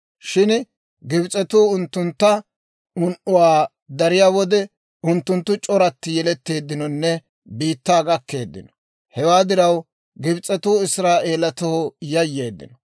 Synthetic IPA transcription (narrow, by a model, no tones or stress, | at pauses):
ʃɪn | ɡɪbt͡sʼɛt̪uːʊnt̪ːʊnt̪ːɐ | ʊnʔʊwaː | d̪ɐɾɪjaːwɔd̪ɛ | ʊnt̪ːʊnt̪ːʊt͡ʃʼɔɾɐt̪ːɪjɛlɛt̪ːe̞ːd̪ːɪnɔnːɛ | biːt̪ːaːɡɐkːe̞̰ːd̪ːɪ̰nɔ̥ | hɛwaːd̪ɪɾɐw | ɡɪbt͡sʼɛt̪uːɪsɾaːʔe̞ːlɐt̪ɔhɔjɐjːe̞ːd̪ːɪ̰nɔ